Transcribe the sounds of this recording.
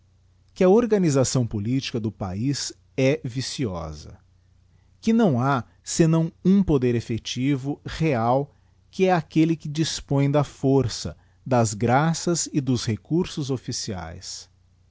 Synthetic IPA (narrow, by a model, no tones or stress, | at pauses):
kɪɐoɾɡɐnizasɐ̃w̃polit͡ʃi̥kɐd̪ʊpa̰iz | ɛvisiɔ̰zɐ̰ | kɪnɐ̃w̃a | senɐ̃w̃ũpod̪eɾefet͡ʃivʊheaw | kɪɛakelɪkɪd͡ʒispõj̃d̪ɐfoɾsɐ̰ | d̪ɐzɡɾasɐzɪd̪ʊzhekuɾsʊzofisia̰js